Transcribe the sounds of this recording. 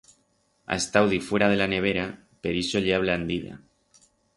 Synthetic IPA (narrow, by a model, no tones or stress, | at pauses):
a̰est̪awðifweɾað̞elaneβ̞eɾa | peɾisoʎeaβ̞land̪iða̰